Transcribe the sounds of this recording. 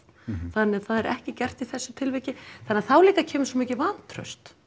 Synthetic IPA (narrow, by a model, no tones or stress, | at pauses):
θanːɪɣθaðɛɾʔɛ̰hcɪcɛr̥t̪iθɛsːʏ̥t̪ʰɪlvɪcɪθanːɪaθawliːkacʰɛːmʏsɔmiːcɪvant̪ʰɾœ̰st̪